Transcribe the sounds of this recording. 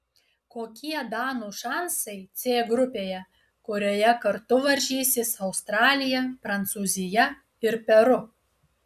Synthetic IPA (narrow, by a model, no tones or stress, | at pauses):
koːkʲiɛd̪ɑːnuːʃɑˑnsɐɪt̪sʲeːɡɾʊpʲeːjɛ | kʊɾʲoːjɛkɐɾt̪ʊʋɐɾʲʒʲiːsʲɪsɐʊst̪ɾɑːlʲɪjɛpɾɐnt̪suːzʲɪjɛ | ɪɾpʲɛɾʊ